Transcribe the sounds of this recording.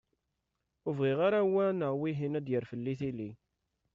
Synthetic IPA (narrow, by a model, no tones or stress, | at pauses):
ʊvʁiʁaɾæwænəwiɦinæd̪jəɾfəlːiθilːi